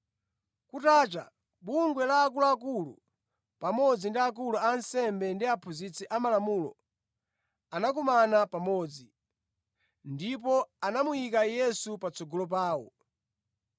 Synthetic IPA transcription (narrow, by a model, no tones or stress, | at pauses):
kutaːt͡ʃa̰ | ɓuŋɡwɛlaːk̬uluak̬ulṵ | pamɔd͡zindiak̬uluansɛmbɛndiapʰuzit͡sɛʔamalamuːlɔ̰ | anak̬umanapamɔːd͡zi | ndip̬ɔanamujikajɛsupat͡sɔɡɔlɔp̬aːwɔ̰